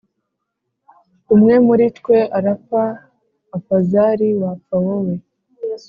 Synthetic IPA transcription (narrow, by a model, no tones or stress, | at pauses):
umŋe̞muɾitkwe̞ʔaɾapaː | pazaɾiwap͡fawowe